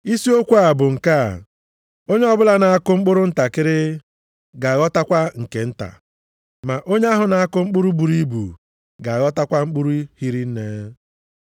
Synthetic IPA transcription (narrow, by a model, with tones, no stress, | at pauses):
i˦si˦o˦kʷu˦a˨bʊ˨ŋ̩˨ka̰˦˨ | o˦ɲe˦ɔ˦bʊ˦la˦na˨a˦kʊ˦ŋ͡m̩˦k͡pʊ˦ɾʊ˦n̩˦ta˨kɪ˦ɾɪ˦ | ɡa˨ɣɔ˦ta˦kʷa˦ŋ̩˨ke˨n̩˦ta̰˨ | ma˨ʔo˦ɲe˦a˦ɦʊ˨na˨a˦kʊ˦ŋ͡m̩˦k͡pʊ˦ɾu˦bu˨ɾi˦bṵ˨ | ɡa˨ɣɔ˦ta˦kʷa˦ŋ͡m̩˦k͡pu˦ɾu˦hi˦ɾi˦n̩˦ne˦